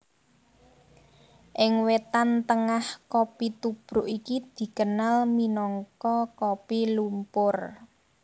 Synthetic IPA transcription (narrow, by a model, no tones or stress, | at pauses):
ʔɪŋwet̪ant̪əŋahkopit̪ub̥ɾʊʔikid̪̥i̤kənalminɔŋkɔkopilumpʊr